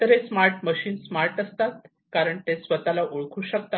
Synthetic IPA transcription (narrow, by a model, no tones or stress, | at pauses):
t̪əɾesmaɾʈməɕiːnsmaɾʈəst̪at̪ | kaɾəɳt̪esʋət̪alaʔuɭkʰuːɕəkt̪a